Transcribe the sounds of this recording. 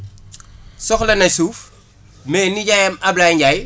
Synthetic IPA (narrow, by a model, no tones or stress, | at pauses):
sɔxlɐnɐsuːf | mɛːniɟajɐmɐblajɲɟaj